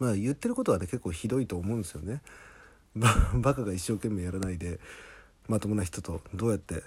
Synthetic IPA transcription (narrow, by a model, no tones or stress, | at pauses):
maːjɯ̟t̪ːe̞ɾɯ̟ko̞t̪o̞βane̞ke̞kːo̞ːçid̪o̞it̪o̞ːmo̞ɯ̃nd̪esɨjone̞ | babakaɡaiɕːo̞ːke̞mːe̞jaɾanaid̪e̞ | mat̪o̞monaçi̥t̪o̞t̪o̞d̪o̞ːjat̪ːe̞